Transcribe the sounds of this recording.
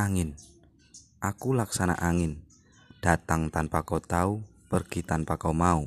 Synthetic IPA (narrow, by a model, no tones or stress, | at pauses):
aŋɪn | ʔakulaksana̰ʔaŋɪn | d̥a̤t̪aŋt̪anpakot̪aupərɡ̥it̪anpakaumau